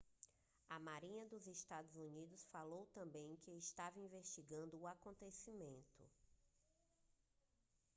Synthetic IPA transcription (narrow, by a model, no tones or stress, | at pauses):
ɐmaɾĩɲɐd̪ʊzest̪ad̪ʊzunid̪ʊsfalowt̪ɐ̃mbẽj̃kɪɪʃt̪avɐĩveʃt͡ʃiɡɐ̃nd̪ʊːakõnt̪esimẽnt̪ʊ̰